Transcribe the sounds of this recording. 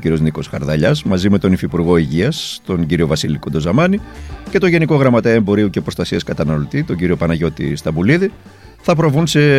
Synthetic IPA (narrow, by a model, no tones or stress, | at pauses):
ciɾio̞zniko̞sxɐɾðɐʎɐzmɐzime̞t̪o̞nifipuɾɣo̞iʝiɐst̪o̞ɲɟiɾio̞vɐsiliko̞d̪o̞zɐmɐnice̞t̪o̞ʝe̞niko̞ɣɾɐmɐt̪eembo̞ɾiuce̞pɾo̞st̪ɐsiɐskɐt̪ɐnɐlo̞t̪it̪o̞ɲɟiɾio̞pɐnɐʝo̞t̪ḭst̪ɐbuliði | θɐpɾo̞vunse̞